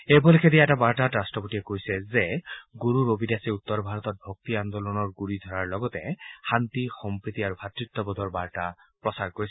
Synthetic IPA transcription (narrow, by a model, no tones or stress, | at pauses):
ebɔlekʰed̪iaɛʈabaɾʈaʈɾasʈɔpoʈiekojsezeɡuɾuɾobʱidasiut̪ːɔɾbʱaɾɔt̪ɔt̚bʱɔk̚t̪iand̪olɔnɔɾɡuɾid̪ʱɔɾaɾlɔɡɔt̪ehant̪ixɔmpɾit̪iaɾubʱat̪ɾit̪ːɔbɔd̪ʱɔɾbaɾʈapɾɔsaɾkoɾisɛ̥